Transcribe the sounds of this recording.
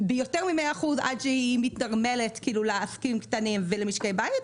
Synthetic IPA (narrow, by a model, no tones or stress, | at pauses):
bejo̞teʁmimeaːχuza̰dʃehimitnaʁmeletkiːluleaskimktanimvelemiʃkejbajit